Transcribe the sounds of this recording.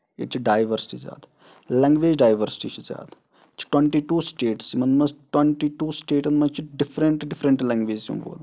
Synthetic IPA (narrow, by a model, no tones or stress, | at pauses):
ḛt͡ʃʰiɖaːjʋəɾsɪ̥ʈiza̰ːd̪ | lɐŋɡʋeːd͡ʒɖaːjʋəɾsʈḭːt͡ʃʰizʲja̰ːt̪ | t͡ʃʰi̥ʈwẽɳʈiːʈuːsʈeːʈsimɐnmɐsʈwɐɳʈiːʈuːsʈeːʈɐnmɐt͡ʃʰiɖɪfʰɾəɳʈɖɪfʰɾə̃ɳʈlɐ̃ŋɡʋeːd͡ʒsṵ̃ːbo̰ːl